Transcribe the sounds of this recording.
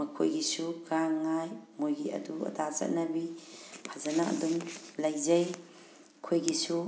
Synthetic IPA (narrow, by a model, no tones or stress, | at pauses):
mɐkʰo̰jɡisuɡaŋːajmojɡiɐ̰duɐ̰tʰat͡ʃɐ̰t̚nɐbipʰazɐnaɐ̰dumlɐjzɐj | kʰojɡisu